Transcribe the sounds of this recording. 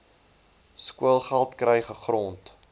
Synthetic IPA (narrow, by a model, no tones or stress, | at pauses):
skuəlˠχælˠtkrɛjχəχrɔnt